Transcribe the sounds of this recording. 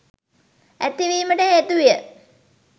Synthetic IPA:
æt̪ːiʋiːməʈəed̪ujə

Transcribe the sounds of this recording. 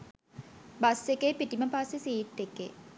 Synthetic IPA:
basekejpiʈiməpasesiːt̪ːekːeː

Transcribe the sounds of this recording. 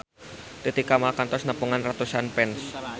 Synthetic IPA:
t̪it̪ikamakant̪ɔsnəpuŋanrat̪usanpɛns

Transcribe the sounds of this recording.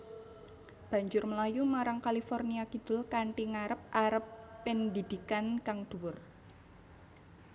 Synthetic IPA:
b̥a̤ɲd͡ʒʊrməlajumaɾaŋkalifɔrniakid̪̥ʊ̤lkaɳʈiŋaɾəp̚ʔaɾəpːɪnd̪i̤d̪̥i̤kankaŋd̪̥ṳwʊr

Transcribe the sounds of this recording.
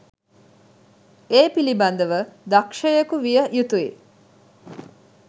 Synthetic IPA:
eːpilibɐnd̪əʋəd̪ɐkʃɐjɐkuʋijəjut̪uḭ

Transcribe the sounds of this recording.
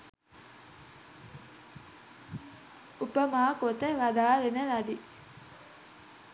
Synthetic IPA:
upəmaːkot̪əʋɐd̪aːlenəlɐd̪i

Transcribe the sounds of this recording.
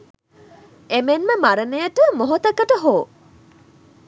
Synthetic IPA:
emenməmaɾənejəʈəmoɦot̪ɐkəʈəɦoː

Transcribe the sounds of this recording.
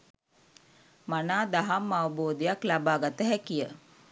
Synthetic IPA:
manaːd̪aɦamːaʋəboːd̪ejaklabaːɡat̪əɦækijə

